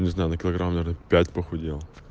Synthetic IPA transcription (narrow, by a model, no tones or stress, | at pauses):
nʲɪznajʊnəkʲɪlˠɐɡɾammnɐvʲeɾnəpʲætʲpəxʊdʲelˠ